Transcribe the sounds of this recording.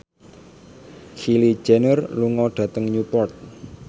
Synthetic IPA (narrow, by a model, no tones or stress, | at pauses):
xili̥d͡ʒɛnərluŋɔɖ̥ä̤t̪əŋɲupɔrt̪̚